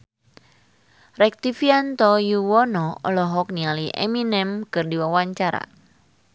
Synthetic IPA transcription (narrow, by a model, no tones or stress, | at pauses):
ɾɛk̚t̪ifiant̪ɔjuwɔnɔɔ̰lɔɦɔk̚nialiʔɛ̰minɛmkɨrdiwawaɲt͡ʃaɾa̰